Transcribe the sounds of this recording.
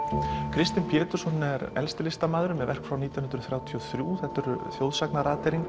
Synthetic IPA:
kʰɾɪst̪ɪnpʰjɛːt̪ʏɾ̥sɔnɛɾɛ̰lst̪ɪlɪst̪amaːðʏɾʏmɛðvɛr̥kfɾawniːt̪jnʏnɾʏθɾjaːwt̪ʰiɔθɾjuːθɛht̪ʏɾθjowðsaknaɾaːt̪eɾiŋ

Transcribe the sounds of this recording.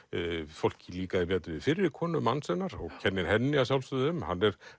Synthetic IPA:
fowl̥cɪliːkaðɪpɛːt̪ʏvɪðfɪɾːɪɾkʰɔːnʏmːanːsɛnːaɾɔɣcʰɛnːɪnhɛnːɪas̬awlst̪ʏðʏmhanːɛɾ̥

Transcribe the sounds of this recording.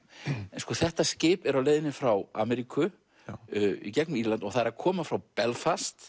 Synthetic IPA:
ɛnskɔθɛht̪ascɪːpɛɾawleːjðɪnɪfɾawa̰ːmɛɾikʰʏ | icɛkniɾlant̪ɔɣθaðɛɾakʰɔːmafɾawpɛlfast̪

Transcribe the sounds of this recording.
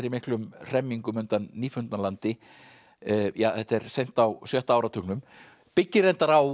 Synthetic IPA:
ɾɪmɪhklʏmr̥ɛmːiŋkʏmʏnt̪anːiːfʏnt̪nalant̪ɪ | jaːθɛt̪ɛɾsejn̥t̪awsjœht̪aaːwɾat̪ʰʏknʏm | pɪcːɪrejnt̪aɾaw

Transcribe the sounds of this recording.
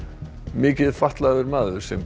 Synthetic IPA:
mɪːcɪðfaht̪laðʏɾmaːðʏɾ̥sɛm

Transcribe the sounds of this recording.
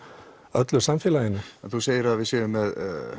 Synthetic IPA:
œt̪lʏsamfɛːlajɪnʏɛnθuseːjəɾaðvɪsɪːðʏmɛð̰

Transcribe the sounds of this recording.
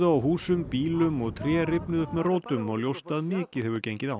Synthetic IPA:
ðaawɦuːsʏmpiːlʏmɔɣt̪ʰɾjɛːrɪpnʏðʏhpmɛðroːwt̪ʏmɔɣljowst̪aðmɪːcɪðhɛvʏɾcejɲcɪðaw

